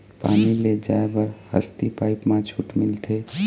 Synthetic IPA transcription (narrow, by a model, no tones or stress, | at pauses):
pa̰ːniled͡ʒaːebəɾhə̰st̪ipaːɪpmãt͡ʃʰuːʈmɪlt̪ʰe